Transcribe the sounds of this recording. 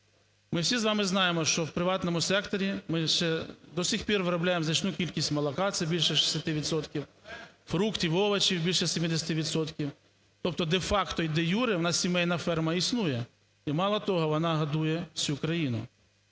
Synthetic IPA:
mɪwsʲizʋɑmɪznɑjemɔʃt͡ʃɔwpɾɪʋɑt̪nɔmʊsɛkt̪ɔɾʲimɪʃt͡ʃɛd̪ɔsʲixpʲirʋɾɔblʲajemznɐt͡ʃnukʲilʲkʲisʲtʲmɐlˠɐkɑt̪sɛbʲilʲʃɛʃi̥sʲɐt̪ɪʋʲid̪sɔt̪kʲiw | fɾukt̪ʲiwɔʋɐt͡ʃiwbʲilʲʃɛsʲemʲid̪esʲɐt̪ɪʋʲid̪sɔt̪kʲiw | t̪ɔp̚t̪ɔd̪efɑkt̪ɔid̪ɛjuɾɪwnɑsʲsʲimɛjnɐfɛrmɐisnujɛ | imɑlˠɐt̪ɔɦɔʋɔnɑɦɐd̪ujɛwsʲukɾɐjinʊ̰

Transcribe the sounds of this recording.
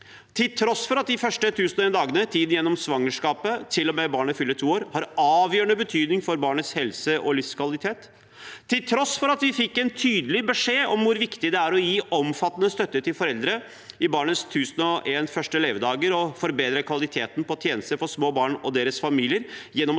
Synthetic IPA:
t̪ʰɪlt̪ʰɾɔsfɔɾɑt̪̚d̪ɪfœʂʈət̪ʰʉːsnɔeːnd̪ɑːɡənət̪ʰiːd̪n̩jɛnːɔmsʋɑŋːəʂkɑːpət̪ʰɪlːɔmɛbɑːɳəfʏlːəʈʰuːoːɾhɑɾɑːʋjœːɳəbət̪ʰyːd̪nɪŋfɔɾbɑːɳət̪shɛlsəʔɔlɪfskʰʋɑlɪt̪ʰeːt̪ʰː | ɪlt̪ʰɾɔsfɔɾɑt̪ʋɪfɪkːɛnt̪ʰyːd̪əlɪbəʂeːɔmʋʊɾʋɪkt̪ɪd̪ɛæɾɔjiːʔɔmfɑt̪ːənəst̪œt̪ːəʈɪlfɔɾɛld̪ɾə | ɪbɑːɳəst̪ʰʉːsnɔʔeːnfœʂʈəleːʋəd̪ɑːɡəɾɔfɔɾbeːd̪ɾəkʰʋɑlɪt̪ʰeːt̪n̩pʰɔt̪ʰjeːnəst̪əɾfɔʂmoːbɑːɳɔd̪eːɾəsfɑmiːlɪəɾjɛnːɔm

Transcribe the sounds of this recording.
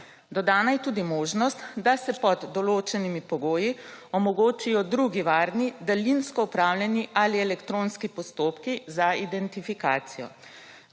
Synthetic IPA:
d̪ɔd̪aːnajɛt̪uːd̪imoːʒnɔst̪d̪asɛpɔd̪ːɔloːt͡ʃɛnimipɔɡoːjiɔmɔɡoːt͡ʃijɔd̪ɾuɡiʋaːɾnid̪alinskɔupɾaːwlʲjɛniʔaliɛlɛkt̪ɾoːnskipɔst̪oːpkizaid̪ɛnt̪ifikaːt̪sijɔ̰

